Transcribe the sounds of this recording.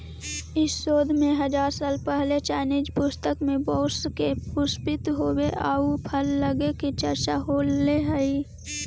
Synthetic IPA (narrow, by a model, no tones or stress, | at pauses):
ɪsːoːd̪ʱmẽɦəd͡ʒaːɾsaːlpɛɦlet͡ʃɛːnɪd͡ʒpʊst̪əkmẽbɔːskepʊspɪt̪ɦoːweʔaːupʰəlːəɡekit͡ʃəɾt͡ʃaɦoːlːeɦəi